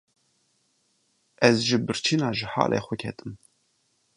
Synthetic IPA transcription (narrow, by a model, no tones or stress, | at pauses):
ʔɛzʒibɨrt͡ʃʰinaːʒɨħa̰ːlʔḛjχʷəkʰɛ̰t̪ʼɨm